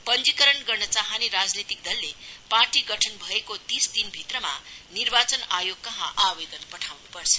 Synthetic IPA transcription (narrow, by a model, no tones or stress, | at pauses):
pʌnd͡zikʌɾʌnɡʌrnʌt͡saɦaniɾad͡znit̪ik̚d̪ʌlːeparʈiɡʌʈʰʌnbʱʌekot̪isd̪inbʱit̪rʌma̰nirbat͡sʌnajoɡ̚kʌɦãʔabed̪ʌnpʌʈʰawnupʌrt͡sʰʌ̥